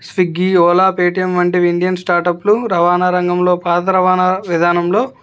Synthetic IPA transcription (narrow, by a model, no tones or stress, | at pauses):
sʋiɡiːɔːlaːpeːʈijɐmʋɐɳʈiʋinɖ̪ijɐnsʈaːɾʈɐpluɾɐʋaːnaːɾɐŋɡɐmlo̞ːpaːd̪ɐɾɐʋaːnaʋid̪ʱaːnɐmlo̞ː